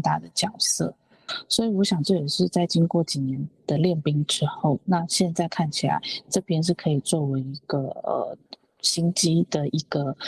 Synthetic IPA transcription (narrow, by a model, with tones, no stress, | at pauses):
t̪a̰˥˩d̪ə˩t͡ɕjɑ˨˩ʊsɤ̰˥˩ | swɔ˧˥i˨˩wɔ˧˥ɕjɑ˨˩ŋʈ͡ʂɤ˥˩jʂɻ̩˥˧t͡sa˥˩ɪt͡ɕi˥ŋkwɔ˥˩t͡ɕi˨˩njɛ˧˥nd̪̥ə˧ljɛ˥˩npi˥ŋʈ͡ʂɻ̩˥xo˥˩ʊna˥˧ɕjɛ˥˧nt͡sa˥˧ɪkʰa˥˩nt͡ɕʰi˨˩la̰˧˦˥ɪʈ͡ʂɤ˥˩pjɛ˥nʂ̬ɻ̩˥˩kʰɤ˧˥i˨˩t͡swɔ˥˩we˧˥ɪi˧˥ɡ̥ə˧ə̰˩ | ɕi˥nt͡ɕi˥d̪ə˨i˧˥ɡ̥ə˧